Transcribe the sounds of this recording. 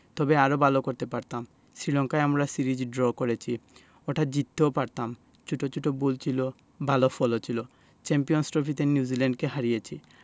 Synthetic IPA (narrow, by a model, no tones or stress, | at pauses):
t̪ɔbeaɾobʱalokoɾt̪epaɾt̪am | sɾilɔŋkaeamɾasiɾid͡ʑɖɾɔkoɾet͡ɕʰi | oʈʰad͡ʑit̪ʰːeopaɾt̪am | t͡ɕʰuʈʰot͡ɕʰuʈʰobult͡ɕʰilo | bʱalofɔlot͡ɕʰilo | t͡ɕɛmpijonsʈɾofit̪eniuzilɛɳɖkeɦaɾijet͡ɕʰi